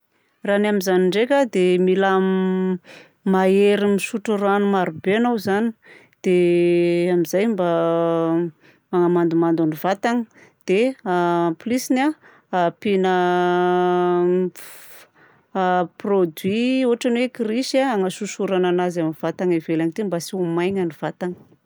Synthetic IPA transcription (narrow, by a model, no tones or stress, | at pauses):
ranamizaniɳɖ͡ʐekʲad̪emilam | maeɾimisuʈ͡ʂəɾanumaɾubeanawzani̥ | d̪̥e | amizajmba | aŋamand̪umand̪anivat̪aŋəd̪̥e | plisina | pinə | prod̪wiuaʈ͡ʂanwekɾiʃaaŋəsusuɾananazamiv̥at̪aŋivelaŋit̪imbasiumajɲaniv̥at̪aŋə̥